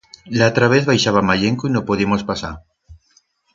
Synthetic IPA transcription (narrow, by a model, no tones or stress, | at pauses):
laot̪ɾaβeθβajʃaβamaʎeŋkoinopoðimospasa̰ɾ